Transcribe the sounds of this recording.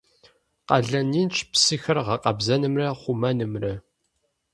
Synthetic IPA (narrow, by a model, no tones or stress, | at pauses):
qɐɮɐnint͡ʃʰpʰsixɐrʁɐqɐbzɐnɨmrɐχʷumɐnɨmrɐ